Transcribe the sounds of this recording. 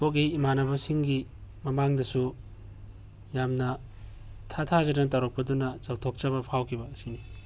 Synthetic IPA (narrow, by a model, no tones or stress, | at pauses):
pok̬ijimanɐbɐsiŋɡimɐmaŋdɐsu | jamnɐ | tʰatʰazɐɾɐŋtawɾok̚pɐdunɐt͡ʃak̚tʰok̚t͡ʃɐbɐpʰawkʰibɐsini